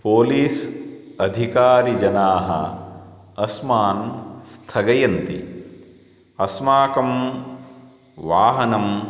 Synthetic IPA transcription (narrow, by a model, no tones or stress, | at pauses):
poːliːsɐd̪ʱikaːɾid͡ʒɐnaːɦɐ̰ | ɐsmaːnst̪ʰɐɡɐjɐnt̪ḭ | ɐsmaːkɐm | ʋaːɦɐnɐm